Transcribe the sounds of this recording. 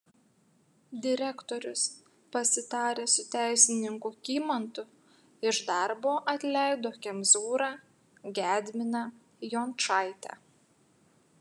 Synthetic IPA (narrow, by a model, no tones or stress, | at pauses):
d̪ʲɪɾʲɛkt̪ɔɾʲʊs | pɐsʲɪt̪ɑːɾʲeːsʊt̪ʲæˑɪsʲɪnʲɪŋkʊːkʲiːmɐnt̪ʊ | ɪʒd̪ɑˑɾboːʔɐt̪ʲlʲɛˑɪd̪oːkʲɛmzuːɾɑː | ɡʲæːd̪ʲmʲɪnɑː | jɔnt͡ʃɑɪt̪ʲɛ̰